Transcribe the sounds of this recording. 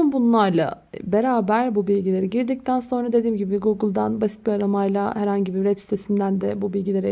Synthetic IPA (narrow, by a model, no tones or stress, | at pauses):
ymbunlˠaɾlˠa̰ | beɾaːbæɾbubilʲɟilʲe̞ɾiɟiɾd̪ic̚t̪ʰænso̞nɾad̪e̞d̪iːmɟibiɡuɡɯlˠd̪anbasi̥t̪̚biaɾamajlˠahæɾhaɲɟibivɛpsi̥t̪ʰesind̪ænd̪ɛbubilʲɟilʲe̞ɾɛ